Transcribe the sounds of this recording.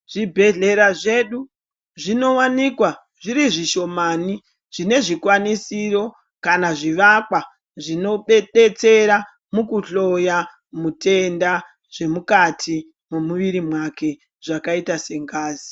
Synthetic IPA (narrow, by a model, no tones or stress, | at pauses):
ʐ̥ibʱe̞ɮe̞ɾaʐeɗu | ʐino̞wanikwa | ʐiɾiʐiʃo̞maːni | ʐ̥ine̞ʐikwanisiɾo̞ | kanaʐiʋakwa | ʐino̞ɓeɗe̞t͡se̞ɾa | mukuɬo̞ja | mute̞nda | ʐ̥e̞mukatʰi | memuʋiɾimwake̞ | ʐ̥akaitase̞ŋɡaːzi